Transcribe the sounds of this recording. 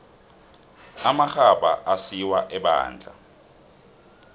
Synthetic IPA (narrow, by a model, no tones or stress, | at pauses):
amaxaɓa̰ʔasiwaʔɛɓa̰ːnd͡ɮʱa̰